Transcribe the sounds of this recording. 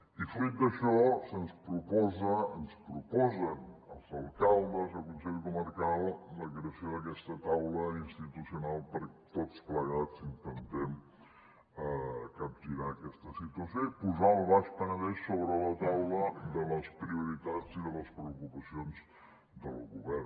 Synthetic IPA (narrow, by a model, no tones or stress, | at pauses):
ifid̪əʃɔsənspɾupɔzəənspɾupɔzənəlˠzəlˠkalˠd̪əzəlˠkunsɛʎkuməɾkalˠləkɾəsioðək̬ɛst̪ət̪awləinst̪it̪usiunalˠpəɾt̪ot͡spləɣ̞at͡sint̪ənt̪ɛm | əkap̚ʒiɾaːkɛst̪əsit̪uəsijoipuzaəlˠβaʃpənəβɛʃːoβɾələt̪awləd̪ələspɾiuɾit̪aziðələspɾəukupəsionz | d̪ə̰lˠɣuβɛr